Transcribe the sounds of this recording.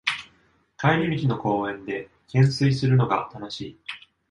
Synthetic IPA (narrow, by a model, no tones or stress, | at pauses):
kaiɾʲimʲikʲino̞ko̞ːẽ̞nd̪e̞ | kʰẽ̞ɰ̃sɨisɨɾɯ̟no̞ɡa̰t̪ʰano̞ɕiː